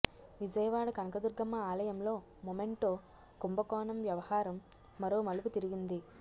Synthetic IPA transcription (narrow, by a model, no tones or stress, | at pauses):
ʋid͡ʒɐjɐʋaːɽɐkɐnɐkɐd̪uɾɡɐmːɐaːlɐjɐmlo̞ː | mome̞ɳʈoː | kumbɐkɔːnɐmʋjɐʋɐhaːɾɐmː | ɐɾoːmɐluput̪iɾiɡind̪i